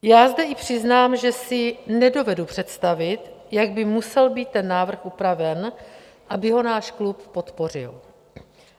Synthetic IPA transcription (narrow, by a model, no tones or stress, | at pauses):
jaːzdɛʔɪpr̝̥ɪznaːmʒɛsɪnɛdo̞vɛdupr̝̥ɛt̪st̪avɪt̪jaɡ̚bɪmusɛlbiːt̪ːɛnːaːvr̩xʔupɾavɛn | ʔabɪɦo̞naːʃklupːo̞t̪po̞r̝ɪ̰l